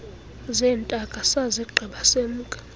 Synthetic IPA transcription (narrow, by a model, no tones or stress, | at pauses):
zɛːntʼakʼasaziɡ͡ǃʱiɓasemuːkʼḁ